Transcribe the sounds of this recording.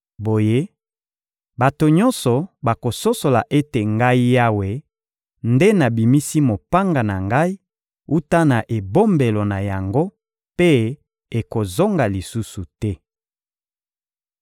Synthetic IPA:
bo˨je˦ | ba˨to˨ɲɔ˦nsɔ˨ba˨ko˨so˦so˨la˨ʔe˦te˨ŋɡa˦i˦ja˦we˨ | nde˦na˨bi˨mi˦si˦mo˨pa˦ŋɡa˨na˨ŋɡa˦i˦ | u˦ta˦na˨ʔe˨bo˦mbe˨lo˨na˨ja˨ŋɡo˦ | pe˦ | e˨ko˨zo˦ŋɡa˨li˨su˦su˨tɛ˦

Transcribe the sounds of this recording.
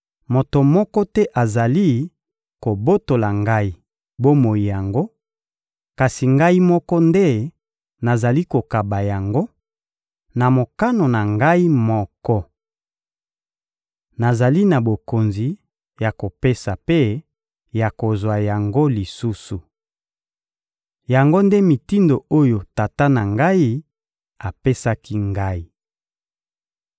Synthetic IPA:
mo˨to˨mɔ˦kɔ˦tɛ˦ʔa˨za˨li˦ | ko˨bo˦to˨la˨ŋɡa˦i˦ | bo˦mo˨ji˨ja˨ŋɡo˦ | ka˨si˨ŋɡa˦i˦mɔ˦kɔ˦nde˦ | na˨za˨li˦ko˨ka˨ba˨ja˨ŋɡo˦ | na˨mo˨ka˦no˨na˨ŋɡa˦i˦mɔ˦kɔ˦ | na˨za˨li˦na˨bo˨ko˨nzi˨ | ja˨ko˨pe˦sa˨pe˦ | ja˨ko˨zwa˨ja˨ŋɡo˦li˨su˦su˨ | ja˨ŋɡo˦nde˦mi˨ti˦ndo˨o˦jo˨ta˨ta˦na˨ŋɡa˦i˦ | a˨pe˦sa˦ki˦ŋɡa˦i˦

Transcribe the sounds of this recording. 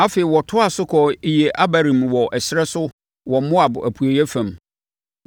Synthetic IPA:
a˦fe˨ɪ˨wɔ˨tʰʊ˦a˨sʊ˦kʰɔ˨i˨je˨ʔa˦ba˨ɾĩ˨mwɔ˨ʔɛ˨sɪ˦ɾɛ˦sʊ˦ | wɔ˨mʊ̃˦a˨bæ̰˨pʰu˨e˨jɛ˦fã˨m

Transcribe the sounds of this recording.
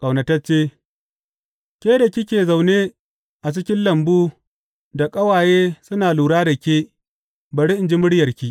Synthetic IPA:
kʼɐ˨wnɐ˨tɐ˦t͡ʃeː˦ | kʲeː˦da˨kʲɪ˦kʲeː˨za˨wne˦ | ʔa˨t͡ʃɪ˦kʲɪ˦nlɐ˨mbuː˦ | da˨kʼɐ˦waː˨jeː˦sʊ˦naː˨luː˨ɽaː˦da˨kʲeː˦ | bɐ˨ɽe˦ʔɪ˨nd͡ʒi˦mʊ˦ɽjɐ˨rkʲi˦ʔ

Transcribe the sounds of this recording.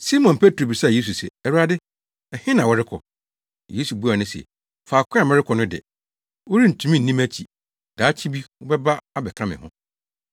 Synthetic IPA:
si˦mɔ̃˨npʰe˦tʰɾo˨bi˨sa˦˨je˦s̬u˨sɛ̰˨ɛ˨ɾa˦dɪ˦ | ɛ˨hɪ̃˦nã˨wɔ˨ɾɪ˦kʰɔ̰˨ | je˦su˨bu˦a˨nʊ̃˦sɛ̰˨ | faː˨kʷʰʊ̃˦a˨mɛ̃˦ɾɪ˦kʰɔ˨nʊ̃˦dɪ̰˨ | wo˦ɾi˦n̩˨tʰũ˦mĩ˦n̩ː˨nĩ˦mæ˦t͡ɕʰi˨ | d̥a˨˦t͡ɕʰi˦bi˦wɔ˦bɛ˦ba˦a˦bɛ˨kʰɾ̃ã˦mɪ̰̃˨hʊ̃˦

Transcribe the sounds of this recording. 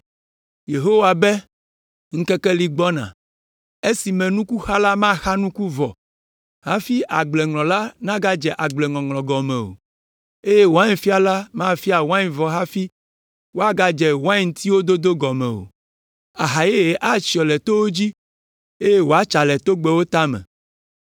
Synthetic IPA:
je˨ɦo˦wa˨bɛ˦ | ŋ̩̃˦kɛ˦kɛ˦li˦ɡ͡bɔ˦nã̰˨ | e˦si˨mɛ̃˨nũ˦ku˦xa˦la˦mã˦xa˦nũ˦ku˦vɔ˨ | ha˦fi˦ʔa˨ɡ͡blɛ˨ŋlɔ̃˨la˦nã˦ɡa˦d͡ʒɛ˨ʔa˨ɡ͡blɛ˨ŋlɔ̃˨ŋlɔ̃˨ɡɔ˨mɛ̰̃˨o̰˨ | e˦je˦wo˨a˦ɲẽ˨fi˦a˨la˦mã˦fi˦a˨wã˦ĩ˨vɔ˨ɦa˦fi˦ | wo˦a˦ɡa˦d͡ʒɛ˨wã˦i˨ŋ˨t̪ʰi˦wo˦d̪o˦d̪o˦ɡɔ˨mɛ̰̃˨o̰˨ | a˨ɦa˨je˦e˨ʔa˦t͡ɕi˨ɔ˨lɛ˨t̪o˦wo˦d͡ʑi˦ | e˦je˦wo˨a˦t͡ʃa˨lɛ˨t̪o˦ɡ͡bɛ˦wo˦t̪a˦mɛ̰̃˨

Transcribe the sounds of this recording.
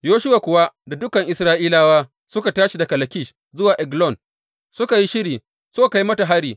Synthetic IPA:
joː˦ʃʊ˦waː˨kʷʊ˨wa˦da˨dʊ˦kɐ˨ŋʔɪ˨sɾaː˦ʔiː˦laː˦waː˦ | sʊ˦ka˨taː˦ʃi˨da˨kɐ˨lɐ˨kʲɪ˦ʃ | zʊ˦waː˨ʔɛ˨ɡlɔ˦˨n | sʊ˦ka˨ji˦ʃɪ˦ɾiː˨ | sʊ˦ka˨ka˨ji˦mɐ˦ta˨ɦa˦ɽiː˨

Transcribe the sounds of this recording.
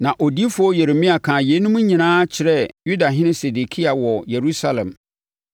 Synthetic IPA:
nã˨ʔo˨di˦fʊ˦ɔ˦je˨ɾe˨mĩ˦a˨kʰãː˨je˨˦nũ˦mũ˦ɲĩ˨nãː˦t͡ɕʰɪ˨ɾɛ˦ju˦da˨ɦɪ̃˦nɪ̃˦se˨de˨kʰi˦a˨wɔ˨je˨ɾu˦sa˦lɛ̰̃˨m

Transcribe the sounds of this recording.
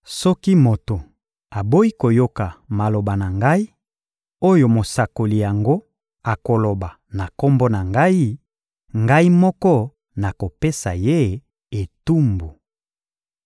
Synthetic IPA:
sɔ˦ki˦mo˨to˨ | a˨bo˦i˦ko˨jo˦ka˨ma˨lo˨ba˨na˨ŋɡa˦i˦ | o˦jo˨mo˨sa˨ko˨li˨ja˨ŋɡo˦ | a˨ko˨lo˨ba˨ | na˨ko˦mbɔ˦na˨ŋɡa˦i˦ | ŋɡa˦i˦mɔ˦kɔ˦ | na˨ko˨pe˦sa̰˨je˦ | e˨tu˦mbu˨

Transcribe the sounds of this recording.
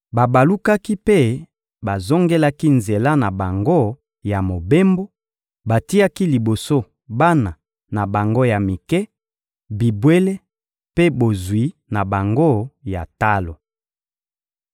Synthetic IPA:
ba˨ba˨lu˦ka˦ki˦pe˦ | ba˨zo˦ŋɡe˦la˦ki˦nze˨la˦na˨ba˨ŋɡo˦ | ja˨mo˨be˦mbo˦ | ba˨ti˦a˦ki˦li˨bo˨so˦ | ba˦na˨ | na˨ba˨ŋɡo˦ja˨mi˨kɛ˦ | bi˨bwe˦le˦ | pe˦bo˨zwi˨˦na˨ba˨ŋɡo˦˨ja̰˨ta˦lo˨

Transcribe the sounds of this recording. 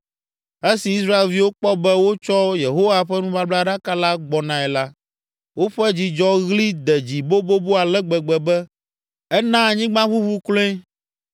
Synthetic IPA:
e˦si˨i˦s̬ɾa˦e˨lvi˦wo˦k͡pɔ˦bɛ˦wo˦t͡ʃɔ˦je˨ɦo˦wa˨ɸɛ˦nũ˦βa˦bla˦ɖa˦ka˦la˦ɡ͡bɔ˨nã˨ɛ˨la˦ | wo˦ɸɛ˦d͡ʑi˨d͡ʒɔ˦ɣli˦d̪ɛ˨d͡ʑi˨bo˦bo˦bo˦a˨lɛ˦ɡ͡bɛ˨ɡ͡bɛ˨bɛ˦ | ɛ˦nã˦˨ɲĩ˦ɡ͡bã˦βu˦βu˦klõ˦ẽ˦

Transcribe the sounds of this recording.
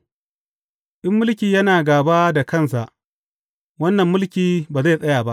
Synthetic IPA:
ʔɪ˦mːʊ˦lkʲiː˨jɐ˦naː˨ɡaː˨ba˦da˨kɐ˦˨nsa˨ʔ | wɐ˦nːɐ˨mːʊ˦lkʲiː˨baː˨za˦˨sʼɐ˦jaː˨ba˦ʔ

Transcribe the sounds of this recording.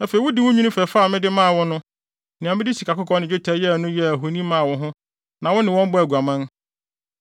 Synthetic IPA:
æ˦fe˨i˨˦wʊ˦dɪ˦wʊ˦ɲᶣũ˦ʊ̃˦fɛ˨fa˦˨mɪ̃˦dɪ˦mã˦˨wɔ̃˦nʊ̃˦ | nɪ̃˨a˨mɪ˦dɪ˦si˨ka˨kʊ˦kʰɔ̃˦nɪ̃˨d͡ʑᶣʊ˦tʰæ˦jɛ˦˨nʊ̃˦jɛ˦æ˨ɦo˨nĩ˦mã˦˨wɔ̃˦ɦʊ̃˦ | nã˨wɔ̃˦nɪ̃˨wɔ̃˦m˦bɔ˦æ˨ɡu˨a˨mã˦n

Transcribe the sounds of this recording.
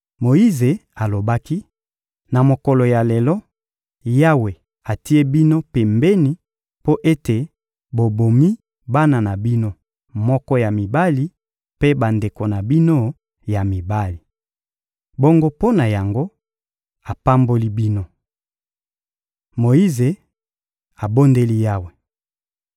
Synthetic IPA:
mo˨i˦ze˨a˨lo˨ba˦ki˦ | na˨mo˨ko˨lo˨ja˨le˨lɔ˦ | ja˦we˨ | a˨ti˦e˦bi˦no˦pe˨mbe˦ni˨ | po˦ʔe˦te˨ | bo˨bo˨mi˦ | ba˦na˨na˨bi˦no˦ | mɔ˦kɔ˦ja˨mi˨ba˦li˦ | pe˦ba˨nde˨ko˨na˨bi˦no˦ | ja˨mi˨ba˦li˨ | bo˦ŋɡo˦po˦na˨ja˨ŋɡo˦ | a˨pa˦mbo˦li˦bi˦no˦ | mo˨ji˦ze˨ | a˨bo˦nde˦li˦ja˦we˨

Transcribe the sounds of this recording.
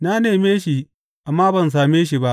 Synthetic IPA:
naː˦neː˨meː˦ʃi˨ | ʔa˨mːaː˦bɐ˨ns̬aː˨meː˦ʃ̬i˨ba˦ʔ

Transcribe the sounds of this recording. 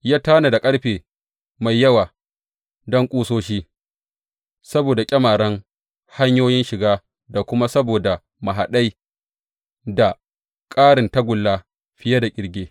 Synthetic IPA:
jaː˦taː˦na˨da˨kʼɐ˦ɽɸeː˨ | ma˨jːɐ˦waː˨ | dɔ˦ŋkʷʼuː˦soː˦ʃiː˦ | sɐ˦boː˨da˨kʲʼɐ˦maː˨ɽɐ˦ŋ | ha˦ɲjoː˦jɪ˦nʃɪ˨ɡaː˦ | da˨kʷʊ˦ma˦sɐ˦boː˨da˨ | ma˨ɦa˨ɗa˦j | da˨ | kʼaː˦ɽɪ˨nta˦ɡʷʊ˨lːaː˦ | ɸɪ˦ja˦da˨kʲʼɪ˨˦ɽɡʲeː˦

